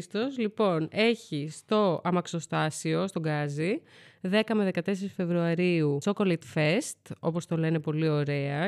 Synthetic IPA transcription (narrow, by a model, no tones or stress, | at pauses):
st̪o̞zlipo̞ne̞çist̪o̞ɐmɐkso̞st̪ɐsio̞st̪o̞ɡɐziðe̞kɐme̞ðe̞kɐt̪e̞s̬e̞ɾisfevɾuɐɾiusokolɐt̪fest̪o̞po̞st̪o̞le̞ne̞po̞lio̞ɾe̞ɐ